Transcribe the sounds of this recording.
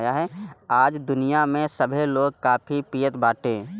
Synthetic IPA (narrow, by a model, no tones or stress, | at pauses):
jaɦɛaːd͡ʒd̪ʊnijamẽsəbʱeloːɡ̚kaːpʰipijət̪baːʈẽː